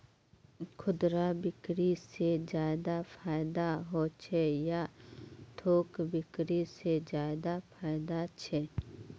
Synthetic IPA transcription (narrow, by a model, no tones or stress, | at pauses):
kʰʊd̪ɾabɪkɾised͡ʒaːɪd̪apʰaːjd̪aɦot͡ʃʰɛja | t̪ʰoːkbɪkɾised͡ʒaːd̪apʰaːɪd̪at͡ʃʰɛ